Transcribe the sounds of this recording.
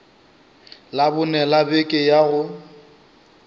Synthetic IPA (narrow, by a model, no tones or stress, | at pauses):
labʊnɛlabekʼɪjaɣʊ